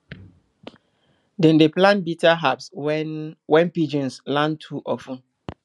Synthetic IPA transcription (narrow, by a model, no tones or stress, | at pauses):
dɛ̃ndeplãnbitaɦaps | wɛ̃npid͡ʒĩnslãntʰuʔɔfũ